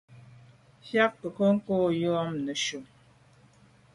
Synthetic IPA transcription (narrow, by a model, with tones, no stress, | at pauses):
fja˦k̚kə˨kə˦ŋ̩˦koː˦jɔ˦ɔ˦mnə˨ʃu˨